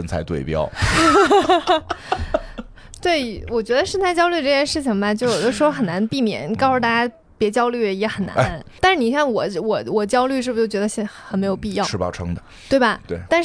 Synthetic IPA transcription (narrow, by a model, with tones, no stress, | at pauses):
ə˥˧nt͡sʰa̰˧ɪt̪we˥˧ɪpjɑ̰˥ʊ | t̪we˥˩ɪwɔ˨˩t͡ɕɥɛ˧˥d̪ə˧ʂə˥˧nt͡s̪ʰa˥ɪt͡ɕjɑ˥ʊly˥˧ʈ͡ʂɤ˥˧˩t͡ɕjɛ˥˧ʂɻ̩˥˩t͡ɕʰi˩ŋbɐ˩t͡ɕjo˥˩˧ʊjʊə˥ʂɻ̩˧˥xo˥xə˨˩na˧˥npi˥˩mjɛ̰˨˩˦nkɑ˥ʊxt̪a˥˩t͡ɕja˥ | pjɛ˧˥t͡ɕjɑ˥ʊly˥˩jɛ˧˥xə˨˩nna̰˧˥nt̪a˥˧ʂɻ̩˥˩ni˨˩ɕ̬jɑ˥˩ŋwɔ˨˩wɔ˨˩wɔ˨˩t͡ɕjɑ˥ʊly˥˧ʂ̬ɻ̩˥˩bu˧t͡ɕjo˥˩ʊt͡ɕɥɛ˧˥ə˧ɕɛ˥˩xxa˧˥nme˧˥ɪjo˨˩ʊpi˥˧jɑ˥˩ʂɻ̩˥˧pɑ̰˥˧ʊʈ͡ʂʰɤ˥ŋd̪ə˨˩˨t̪we˥˩ɪbɐ˩t̪we˥˩ɪt̪a˥˧nʂ̩˥˩